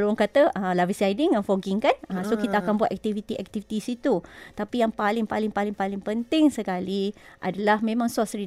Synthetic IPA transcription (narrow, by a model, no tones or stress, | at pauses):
loaŋkat̪aʔəlawisajdɪŋãnfoɡiŋkanəsokit̪aːkanbuat̪ʔɛk̚t̪ivit̪iʔɛk̚t̪ivit̪isit̪ut̪apijaŋpalɪŋpalɪŋpalɪŋpalɪŋpənt̪ɪŋsəkaliʔa̰dalahmẽmãŋsasɾi